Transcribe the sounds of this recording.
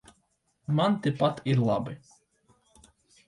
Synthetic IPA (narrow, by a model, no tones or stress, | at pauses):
mant̪ɪpat̪ʰiɾlˠa̰bɨ